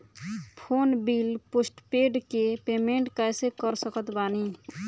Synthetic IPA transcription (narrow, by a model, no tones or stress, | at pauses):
pʰonbilposʈpeɖkepemeɳʈkajsekəɾsəkət̪bani